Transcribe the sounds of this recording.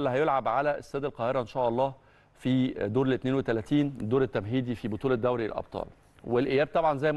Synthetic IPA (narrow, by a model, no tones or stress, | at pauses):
lːhæjolʕabʕalæʔḛsːæːd̪ælqɑːheɾɑʔenʃæːʔɑlˤːɑː | fid̪oːɾelʔet̪neːnwet̪ælæt̪iːnd̪oːɾet̪ːæmɦiːd̪ifibot̪uːlɑd̪ːæwɾiḛlʔɑ̰b̥̚t̪ˤʰɑ̰ːl | welʔejæːb̚t̪ˤɑbʕɑnzæjm